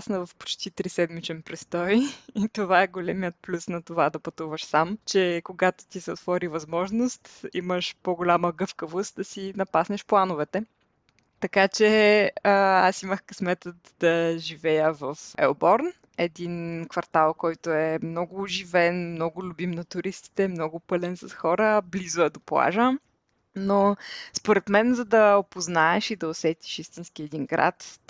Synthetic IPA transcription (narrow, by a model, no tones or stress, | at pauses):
snɐvɐfpo̥t͡ʃt̪it̪ɾisɛd̪mit͡ʃɛnpɾɛst̪ɔjit̪ovaɛɡolɛmijət̪̚plʲusnɐt̪ovad̪ɐpɐt̪uvəʃsamt͡ʃɛkoɡat̪o̥t̪isɛot̪vɔɾivɐzmɔʒnost̪iməʃpoɡolʲaməɡɤfkəvost̪̚d̪ɐsinɐpasnɛʃplˠanʊvɛt̪ɛ | t̪ɐkat͡ʃɛəasiməxkɐsmɛt̪ət̪d̪ɐʒivɛjəvɐfɛ̰obɔɾn | ɛd̪inkvɐɾt̪alˠkɔjt̪ʊɛmnɔɡʊːʒivɛnmnɔɡʊlʲʊbimnɐt̪ʊɾist̪i̥t̪ɛmnɔɡʊpɤlɛnsɐsxɔɾəblizʊɛd̪oplˠa̰ʒə | nospoɾɛt̪mɛnzɐd̪ɐopoznaɛʃid̪ɐosɛt̪i̥ʃist̪inskiɛd̪inɡɾa̰t̪